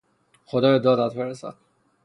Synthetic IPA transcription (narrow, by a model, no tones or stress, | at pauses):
xod̪ɒːbed̪ɒːd̪æt̪̚beɾesæ̰d̪̥